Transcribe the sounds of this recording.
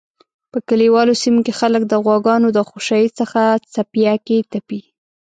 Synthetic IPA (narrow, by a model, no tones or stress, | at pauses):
pəkəliwɑlosimokexalək̚d̪əɣwɑɡɑnod̪əxoʃɑjit͡səxat͡sapjaket̪api